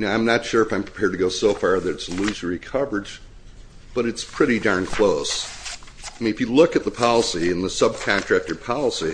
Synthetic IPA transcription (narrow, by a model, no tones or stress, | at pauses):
noãɪ̃mnətʃʊɹɨfãɪ̃mpʰɹ̥i̥pʰɛɹd̚tʰɨɡoʊsoʊfɑɹðɨɾɨtslʉzə˞ikʰʌvə˞d͡ʒ | b̥ʌɾɨtspʰɹ̥ɪɾidãʊ̃nkʰl̥oʊs | mɨfɨlʊkɨt̪̚ðəpʰɑlˠəsiɨ̃nðəsʌb̚kʰɑ̃ntɹ̥æk̚tə˞pʰɑlˠəsi